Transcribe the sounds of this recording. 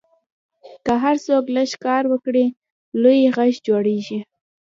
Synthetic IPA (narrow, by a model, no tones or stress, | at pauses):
kəɦaɾsokləʃkɑɾwəkɽi | lojeɣaʃd͡ʒoɽeʒi